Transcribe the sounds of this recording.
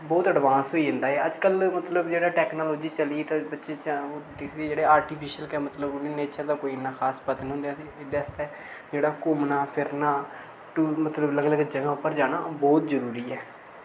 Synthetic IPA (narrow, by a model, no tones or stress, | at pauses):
bɔːt̪əɖʋãːnsɦoːiːɦɪ̃nd̪aːɛːəd͡ʒkəlmət̪ləbd͡ʒeːɽaːʈɛːknoːloːd͡ʒiːt͡ʃəliːt̪ãːbətːʃeːt͡ʃːd̪ɪkʰd̪eeːd͡ʒeːɽeːaːɾʈiːpʰiːʃəlkɛːmət̪ləbneːneːt͡ʃəɾd̪aːkoːiɪnːaːxʰaːspət̪nĩːɦʊ̃nd̪ejaɪd̪eːst̪eː | d͡ʒeːɽaːkʊmnaːpʰɪɾnaː | ʈuːmət̪ləbləɡləɡəd͡ʒakãːʊpːəɾd͡ʒaːɽ̃aːbɔːt̪zəɾuːɾiːɛː